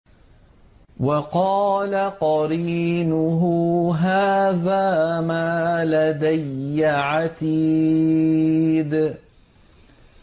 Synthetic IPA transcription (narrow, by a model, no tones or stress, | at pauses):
wɑqɑːlaqɑɾinʊɦʊɦaːðaːmaːlad̪ajːaʕat̪iː | d̪